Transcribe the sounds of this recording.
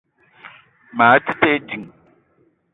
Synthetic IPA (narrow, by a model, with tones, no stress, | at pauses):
maː˨˦ti˦te˦d͡ʒi˨ŋ